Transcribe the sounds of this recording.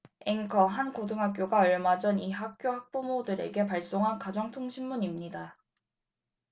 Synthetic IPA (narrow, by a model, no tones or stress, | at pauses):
eŋkʰʌɦankodɯŋɦak͈̚joɡaʌɭmad͡ʑʌniɦak̚k͈joɦak̚p͈omodɯɾe̞̰ɡe̞p̬aɭs͈oŋɦankad͡ʑʌŋtʰoŋɕʰimːuɲimɲida